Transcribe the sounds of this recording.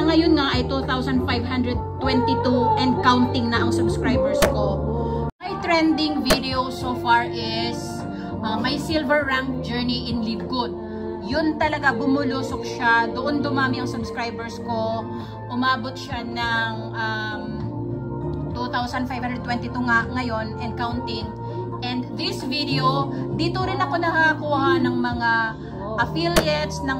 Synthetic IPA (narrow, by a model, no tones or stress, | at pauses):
ɐŋɐjonŋaʔɐjt̪ut̪awsɐnfajvɦand̪ɹɛd̪̚t̪wɛnt̪ɪt̪uʔɛnd̪̚kawnt̪ɪŋnɐʔɐŋsɐbskɹajbɛɹskomɐjt̪ɹɛnd̪ɪŋvid̪ɛowsofaɹʔɪs | ʔamɐjsilvɛɹːaŋk̚d͡ʒɛɹniʔɪnliv̚ɡot̪̚ | jʊnt̪ɐlɐɡabʊmʊluːsok̚ʃad̪ʊʔond̪ʊmaːmɪɐŋsʊbskɹajbɛɹsko̞ | ʔʊmaːbot̪̚ʃanɐŋʔɐm | t̪ut̪awsɐnd̪fajvand̪ɾɛd̪̚t̪wɛnt̪it̪uŋaŋɐjo̞nʔɛnd̪̚kawnt̪ɪŋ | ʔɛnd̪d̪ɪsvid̪ɛod̪iːt̪oɾɪnɐko̞nɐhakuːhɐnɐŋmɐŋa | ʔɐfiljɛt̪snɐŋ